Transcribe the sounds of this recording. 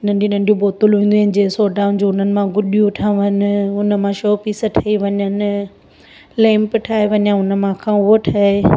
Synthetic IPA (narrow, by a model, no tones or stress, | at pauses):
nɐ̃nd͡ʑĩnɐ̃nɖijũboːt̪ʊlɦũːnd̪unɪ̆d͡ʑesoːɖaːʊnd͡ʑuːʊn̤ənɪ̆mãɡʊɗijũʈʰãːʋənɪʊnəmãʃoːpiːsə̆ʈʰɐiʋɐɲənɪ̆ | lɛ̃ːmpʈʰaːeʋɐɲãʊnə̆mãkʰãʊɦoʈʰɐːe